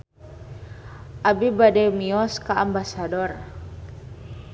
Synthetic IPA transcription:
ʔabibadɛmiɔskaambasadɔr

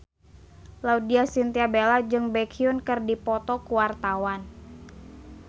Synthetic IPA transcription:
laudiasint̪iabelad͡ʒɨŋbɛkʰiʊnkɨrdipɔt̪ɔkuwart̪awan

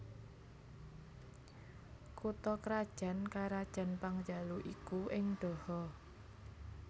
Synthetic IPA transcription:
kut̪ɔkɾad̥ʒ̥a̤nkaɾad̥ʒ̥a̤npaŋd͡ʒ̥aluʔikuʔɪŋɖ̥ɔ̤hɔ

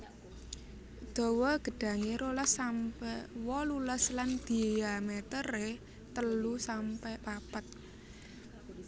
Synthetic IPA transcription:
d̪̥ɔ̤wɔɡ̥ə̤ɖ̥ä̤ŋeɾoləsampɛwɔluləsland̪̥i̤jamet̪əre | t̪əlusampɛpapət̪̚

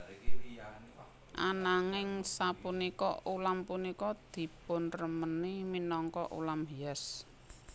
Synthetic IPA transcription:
ʔanaŋɪŋsapunikɔulampunikɔd̪̥i̤pʊnrəməniminɔŋkɔ̰ʔṵlamɦiɛs

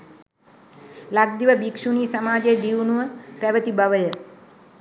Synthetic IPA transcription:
laɡ̚d̪iʋəbikʂuniːsamaːd͡ʒejəd̪iʋnuʋəpæʋət̪ibaʋəjə

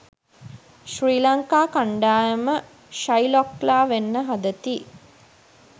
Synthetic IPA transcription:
ʃriːlaŋkaːkaɳɖaːjəmə | ʃajlɔklaːʋenːəɦad̪ət̪i

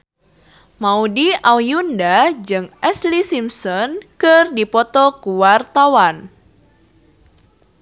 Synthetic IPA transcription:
maudiawjundad͡ʒɨŋʔɛslisimsɔnkɨrdipɔt̪ɔkuwart̪awan

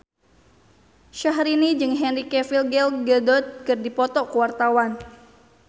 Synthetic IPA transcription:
ʃaɦɾinid͡ʒɨŋɦɛnrikɛfilɡɛlɡədɔt̪̚kɨrdipɔt̪ɔkuwart̪awan

